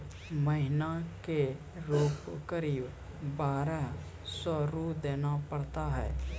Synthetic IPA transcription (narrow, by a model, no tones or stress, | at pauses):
məɦɪnake | ɾoːpkəɾiːb | baːɾəɦ | sɔːɾud̪eːnapəɽt̪aɦɛ̰ː